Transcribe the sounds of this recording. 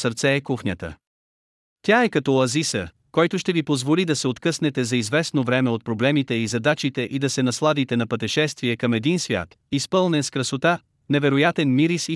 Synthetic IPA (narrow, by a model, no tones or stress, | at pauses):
səɾt̪sɛːkuxnʲət̪ə̰ | t̪ʲjaɛkɐt̪ɔɐzisə | kɔjt̪ʊʃt̪ɛvipozvolid̪ɐsɛot̪kɤsnɛt̪ɛzɐizvɛsnovɾɛmɛot̪̚pɾoblɛmit̪ɛizɐd̪at͡ʃit̪ɛʔid̪ɐsɛnɐslˠad̪it̪ɛnɐpət̪ɛʃɛst̪viɛkɐmɛd̪insvʲja̰t̪ | ispɤlˠnɛnskɾɐsot̪a | nɛvɛɾojat̪ɛnmiɾisi